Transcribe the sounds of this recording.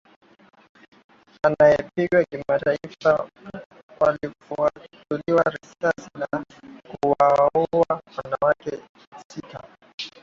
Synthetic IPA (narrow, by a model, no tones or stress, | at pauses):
anajɛpiɠwakimataifa | waliatuliwaɾisasina | kuwaɔawanawakɛ | sika